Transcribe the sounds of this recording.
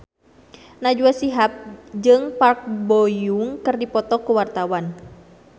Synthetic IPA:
nad͡ʒuasiɦap̚d͡ʒɨŋpark̚bɔjuŋkɨrdipɔt̪ɔkuwart̪awan

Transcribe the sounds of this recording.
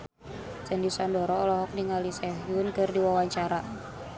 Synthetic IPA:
sɛndisɔndɔɾɔːlɔɦɔk̚niŋalisɛɦjunkɨrdiwawaɲt͡ʃaɾa

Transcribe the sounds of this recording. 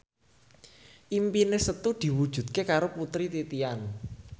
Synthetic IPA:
ʔimpinesət̪ud̪̥i̤wu̥ʒ̥ṳd̪̥̚kekaɾoput̪ɾit̪it̪ian

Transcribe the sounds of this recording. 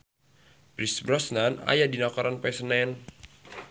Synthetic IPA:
pɾisbɾɔsnana̰jadinakɔɾanpɛsənɛn

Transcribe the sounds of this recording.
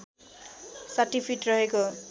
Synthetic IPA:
saʈipʰiʈrʌɦeko

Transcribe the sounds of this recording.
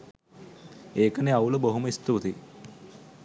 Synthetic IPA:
eːkəneawləboɦuməist̪ut̪i

